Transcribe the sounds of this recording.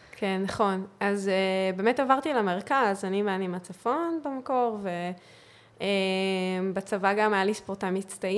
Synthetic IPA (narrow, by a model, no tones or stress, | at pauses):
kʰenːaχo̞nazebeːmetavaʁtilameʁkazanimanimat͡safo̞nbemako̞ʁve̞ | embat͡savaɡamajalispoʁt̪amit͡stai